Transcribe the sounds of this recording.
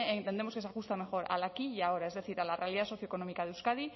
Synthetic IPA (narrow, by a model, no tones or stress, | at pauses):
ent̪end̪e̞moke̞s̬axust̪ame̞xo̞ɾa̰lakiao̞ɾaezðe̞θiɾalarealiðaso̞θjoko̞no̞mikaðeuskaði